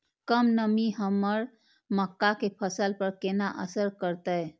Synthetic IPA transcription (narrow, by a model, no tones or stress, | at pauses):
kəmnəmiɦəmːəɾ | məkːakepʰəsəlpəɾkenaʔə̰səɾkəɾt̪əj